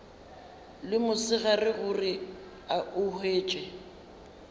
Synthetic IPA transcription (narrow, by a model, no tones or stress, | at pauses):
lɪmʊsɪɣarɪɣʊrɪ | aʊheːt͡ʃʼɛ